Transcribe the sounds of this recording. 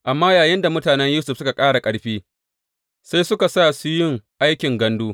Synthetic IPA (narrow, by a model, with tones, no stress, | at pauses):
ʔa˨mːaː˦jaː˨jɪ˦nda˨mʊ˦taː˨nɛ˦ɲjuː˦sʊ˨ɸ̚sʊ˦ka˨kʼaː˦ɽa˨kʼɐ˦ɽɸiː˦ | sa˦jsʊ˦ka˨sa˦˨su˦jɪ˦ŋʔa˦jkʲɪ˨ŋɡɐ˦nduː˦